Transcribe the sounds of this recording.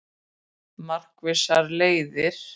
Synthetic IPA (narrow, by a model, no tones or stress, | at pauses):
mar̥kvɪsaɾleːjðɪɾ̥